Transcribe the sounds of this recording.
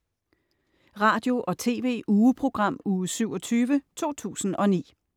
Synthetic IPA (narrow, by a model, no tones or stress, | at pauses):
ʁɑ̈ːd̥jo̝ʔɒ̽t͡sʰe̝̰ːʋe̝̰ːʔuːəpʰʁo̝ɡ̥ʁɑ̈m̰uːsyʊ̰ɒ̽t͡sʰyːʋət͡sʰo̝̰ːt͡sʰṵːsn̩ɒ̽nḭː